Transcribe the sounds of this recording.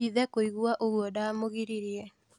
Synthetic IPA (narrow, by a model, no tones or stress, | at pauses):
iðɛkoiɣwaʔoɣwɔdaːmoɣiɾiɾiɛ